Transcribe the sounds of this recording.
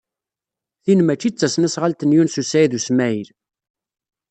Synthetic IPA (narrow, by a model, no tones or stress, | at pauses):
θinmæt͡ʃːit͡sːæsnæsʁalt̪ənjunsusæjðusmæjl